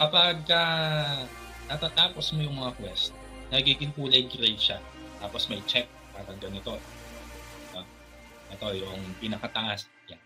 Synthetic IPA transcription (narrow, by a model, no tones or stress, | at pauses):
kɐpɐɡ̚ɐ | nɐt̪aːt̪aːpo̞smojʊŋmɐŋakwɛst̪̚ | nɐɡiːɡɪŋpuːlɐjɡɾɛjʃa | t̪aːposmɐjt͡ʃɛk̚paːɾɐɡɐnɪt̪o̞ | o | ʔɛt̪o̞jʊŋpɪnɐkɐt̪ɐʔas | ja